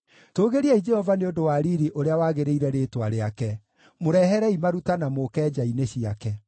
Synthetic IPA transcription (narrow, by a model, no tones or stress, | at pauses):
toːɣeɾiɛid͡ʒɛhɔvaneondowaɾiɾiʔoɾeawaːɣeɾeiɾɛɾeːtwaɾeakɛ | moɾɛɦɛɾɛimaɾutanamokɛːd͡ʒaineɕiakɛ